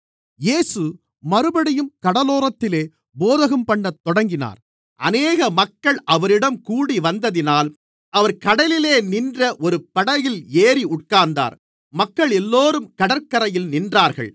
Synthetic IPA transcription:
jeːsɯ | mɐɾɯbɐɽɪjɯmkɐɽɐloːɾɐt̪ːɪleː | boːðɐɣɐmpɐɳːɐt̪ːɔɽɐŋɡɪna̰ːɾ | ʔɐneːɣɐmɐkːɐɭʔɐʋɐɾɪɽɐmkuːɽiʋɐnd̪ɐðɪnaːl | ɐʋɐɾkɐɽɐlɪleːnɪndrɐʔɔɾɯpɐɽɐjɪleːɾiʊʈ̚kaːnd̪a̰ːɾ | mɐkːɐɭɛlːoːɾɯmkɐɽɐɾkɐɾɐjɪlnɪndraːɾɣɐ̰ɭ

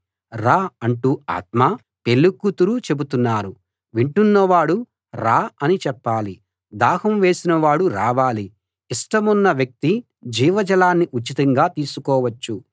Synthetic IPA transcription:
ɾaːɐɳʈuːa̰ːt̪maː | pe̞lːukːut̪uɾut͡ʃe̞but̪unːaːɾu | ʋiɳʈunːɐʋaːɽu | ɾaːɐnit͡ʃɛpːaːli | d̪aːhɐmʋe̞ːsinɐʋaːɽuɾaːʋaːliː | ʂʈɐmunːɐʋjɐk̚t̪i | d͡ʒiːʋɐd͡ʒɐlaːnːiʔut͡ʃːit̪ɐŋɡaːt̪iːsukɔːʋɐt͡ʃːu

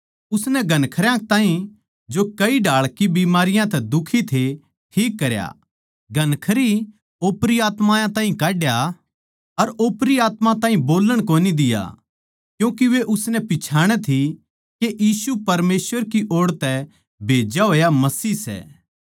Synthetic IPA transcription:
ʊsnɛɡʱɐnkʰəɾjãt̪ãːɦĩ | d͡ʒokɐiɖʱaːɭkibiːmaːɾɪjãt̪ɛd̪ʊkʰit̪ʰe | ʈʰiːkːɐɾja̰ | ɡʱɐnkʰəɾi | oːpɾiaːt̪mãːjãt̪aːɦĩkaːɖja | ɐɾoːpɾiaːt̪mãt̪ãːɦĩboːləɽ̃koːnid̪ɪja̰ | kjũːkiʋeʔʊsnɛpɪt͡ʃʰaːɽ̃ɛt̪ʰi | keʔjiːsupɐɾmeːsʋəɾkiʔoːɽt̪ɛ | bʱeːd͡ʒaɦoːjamɐsiːsɛ̰ː

